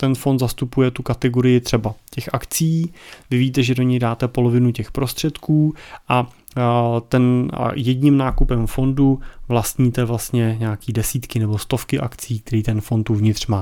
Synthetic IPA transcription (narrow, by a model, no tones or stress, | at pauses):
t̪ɛnfo̞nd̪zast̪upujɛt̪ukat̪ɛɡo̞ɾɪjɪt̪r̝̥ɛbacɛxʔakt͡siːvɪviːt̪ɛʒɛdo̞ɲɛjdaːt̪ɛpo̞lo̞vɪnucɛxpɾo̞st̪r̝̥ɛt̪kuːʔa | t̪ɛnjɛdɲɪmnaːkupɛmfo̞nduvlast̪ɲiːt̪ɛvlast̪ɲɛɲaakiːdɛsiːt̪kɪnɛbo̞st̪o̞fkɪʔakt͡siːk̚t̪ɛɾiːt̪ɛnfo̞nt̪ːuvɲɪt̪r̝̥maː